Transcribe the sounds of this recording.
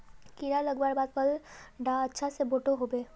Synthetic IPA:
kiɾaləɡbaːɾbaːd̪̚pəlɖaətːʃʰaseboʈoɦobeː

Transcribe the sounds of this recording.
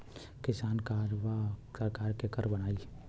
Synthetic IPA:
kɪsaːnkaɾʋasəɾkaːɾkekəɾbəɽ̃aːi

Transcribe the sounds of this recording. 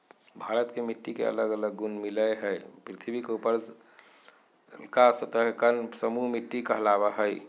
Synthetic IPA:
bʱaɾət̪kemiʈːikḛə̰ləɡələɡːunmiləjɦəjpɾit̪ʰibʱikeupəɾ | lkasət̪əɦkənsəmuɦmiʈːikəɦlabəɦəj

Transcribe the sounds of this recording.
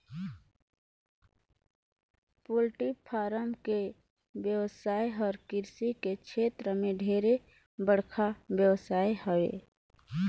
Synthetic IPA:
pulʈipʰaːɾəmke | bjəwsaːjɦɔːɾkɪɾsikekʃʰeːt̪ɾəmẽɖʱeːɾe | bəɽ̤kʰabjəwsaːeɦəwḛː

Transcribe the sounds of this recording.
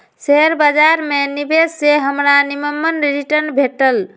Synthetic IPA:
seɦəɾbəd͡ʒaɾmenibʱesseɦəmɾaniməmːənɾiʈəɾnbʱeʈəl

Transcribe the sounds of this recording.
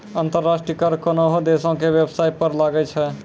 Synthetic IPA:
ənt̪əɾːasʈɾijəkəɾkonoɦod̪esõkebjebsaipəɾlaɡɛt͡ʃʰɛ

